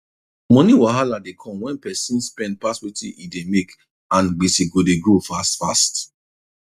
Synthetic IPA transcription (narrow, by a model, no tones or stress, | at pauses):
mɔ̃niwaɦaladekʰɔ̃mwɛ̃npɛsĩnspɛ̃nd̚paswetḭ̃ʔidemek | ãnɡ͡bisiɡodeɡofastfast